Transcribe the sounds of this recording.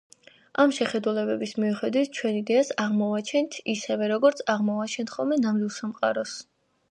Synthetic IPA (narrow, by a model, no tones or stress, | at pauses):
amʃɛχɛd̪ulɛbɛbismiuχɛd̪wit̪̚ʰt͡ʃʰwɛnid̪ɛasaʁmɔat͡ʃʰɛnt̪ʰisɛvɛɾɔɡɔɾt̪sʰaʁmɔat͡ʃʰɛnt̪ʰχɔlˠmɛnamilˠsamqʼaɾɔs